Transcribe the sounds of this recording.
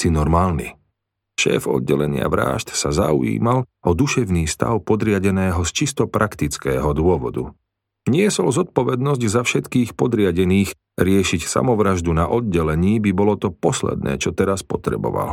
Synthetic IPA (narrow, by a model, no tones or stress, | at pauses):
sinɔɾmaːlnḭ | ʃɛ̰ːfɔ̰d̪ɟɛlɛɲɪa̰ʋɾa̰ːʃt̪sazaṵḭːmal | ɔd̪uʃɛʊniːst̪a̰ʊpɔd̪ɾɪaɟɛnɛːɦɔst͡ʃist̪ɔpɾʔakt̪it͡skɛːɦɔd̪ʊɔʋɔ̰d̪ṵ | ɲɪɛsɔlzɔt̪̚pɔʋɛd̪nɔzɟzafʃɛt̪kiːxpɔd̪ɾɪaɟɛniːx | ɾɪɛʃicsa̰mɔʋɾaʒd̪unaʔɔd̪̚ɟɛlɛɲiːbibɔlɔt̪ɔpɔslɛ̰d̪̚nɛ̰ːt͡ʃɔt̪ɛɾaspɔt̪ɾɛ̰bɔ̰ʋa̰l